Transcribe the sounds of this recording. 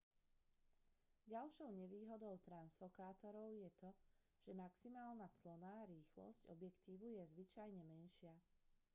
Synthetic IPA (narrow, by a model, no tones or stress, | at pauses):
ɟalʃɔʊɲɛʋiːɦɔd̪ɔʊt̪ɾansfɔkaːt̪ɔɾɔʊjɛt̪ɔ | ʒ̥ɛmaksimaːlnat͡slɔnaːɾiːxlɔ̰scɔ̰bjɛkt̪iːʋujɛzʋit͡ʃajɲɛmɛnʃɪa